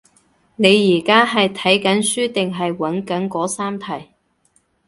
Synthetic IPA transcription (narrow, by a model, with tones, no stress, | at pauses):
ne˨˧jːiː˨˩kaː˥ɦɐ˨jt̪ʰɐ˨˥jkɐ˨˥nsyː˥t̪ɪ˨ŋɦɐ˨jwɐ˨˥nkɐ˨˥nkɔː˨˥saː˥mt̪ʰɐ˨˩j